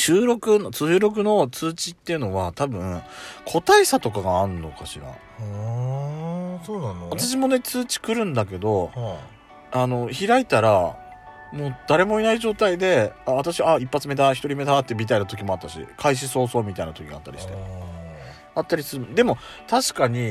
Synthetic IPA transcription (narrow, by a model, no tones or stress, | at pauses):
ɕɨːɾo̞kɯ̟not͡sɨːɾo̞k̬ɯ̟no̞t͡sɨːt͡ɕit̪ːe̞iɯ̟no̞βat̪abɯ̟̃kʰo̞t̪aisat̪o̞kaɡaːɾɯ̟nːo̞kaɕiɾa̰ | soːnãat̪̬aɕ̬imo̞ne̞t͡sɨːt͡ɕi̥kɯ̟ɾɯ̟̃nd̪ak̬e̞d̪o̞ | ano̞çiɾait̪aɾa | mo̞ːd̪̥aɾe̞mo̞inaiʑo̞ːt̪aid̪e̞aat̪aɕiβːipːat͡sɨme̞d̪açi̥t̪o̞ɾʲime̞d̪at̪ːebʲit̪ainat̪o̞k̬ʲimo̞at̪ːaɕḭkʰaiɕ̬iso̞ːso̞ːmʲit̪ainat̪o̞kʲiɡat̪ːaɾʲi̥̰ɕit̪e | at̪ːaɾʲisɨɾɯmd̪e̞mo̞ | t̪aɕi̥kaɲ̟i